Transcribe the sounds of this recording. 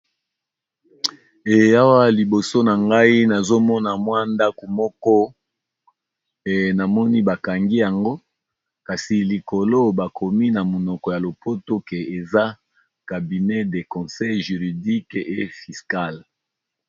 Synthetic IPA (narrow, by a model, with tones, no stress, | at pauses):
e˨ja˦wa˦li˨bo˨so˦na˨ŋɡa˦i˦na˨zo˦mɔ˦na˨mwa˦nda˦ko˨mɔ˦kɔ˦ | e˨na˨mɔ˦ni˦ba˨ka˨ŋɡi˦ja˨ŋɡo˦ | ka˨si˨li˨ko˨lo˦ba˨kʰo˨mi˦na˨mo˨nɔ˨kɔ˨ja˨lo˨pʰo˦to˦ke˨e˨za˦ | ka˨bi˨nɛ˦de˨kɔ̃˨sɛ˦jʒy˨ʁi˨di˦ke˦˨fi˨ska˦l